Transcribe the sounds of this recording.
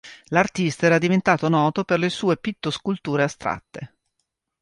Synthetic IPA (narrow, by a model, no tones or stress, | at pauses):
lart̪ist̪aɛːɾad̪ivent̪aːt̪onɔːt̪operlesuːepit̪ːoskult̪uːɾeast̪ɾa̰t̪ːe